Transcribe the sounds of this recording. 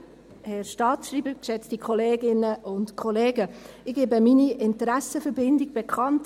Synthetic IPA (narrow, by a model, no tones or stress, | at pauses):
hɛɾʃtɑːtʃriːbəkʃɛt͡stikʰχɔleːɡɪnəʔʊntkʰɔleːɡəɪɡ̥eːbəminiʔɪntəɾæsəfəɾbɪndɪɡ̚b̥ɛkʰχɑnt